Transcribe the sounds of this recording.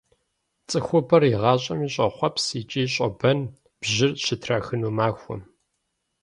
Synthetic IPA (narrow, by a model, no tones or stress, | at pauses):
t͡sʼɨxʷʊbɐriʁɑːɕʼɐmiːɕʼɐχʷɔpʰsiːt͡ʃʼiːɕʼɐbɐn | b̥ʑɪrɕɪtʰraxɨnuːmaːxʷʊ̰m